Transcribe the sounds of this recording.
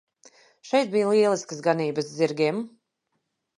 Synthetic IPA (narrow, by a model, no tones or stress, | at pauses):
ʃɛjt̪̚bijalˠiɛlˠiskəsɡaniːbɨsziɾɡʲiɛm